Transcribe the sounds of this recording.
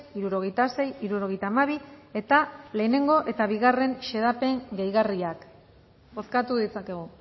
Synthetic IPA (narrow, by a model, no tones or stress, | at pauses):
iɾuɾo̞ɣ̞e̞jt̪ase̞jiɾuɾo̞ɣe̞jt̪aːmaβ̞ie̞t̪ale̞ːne̞ŋɡo̞ʔe̞t̪aβ̞iɣare̞nʃe̞ðape̞ŋɡejɣariak | o̞skat̪uðit͡sake̞ɣ̞u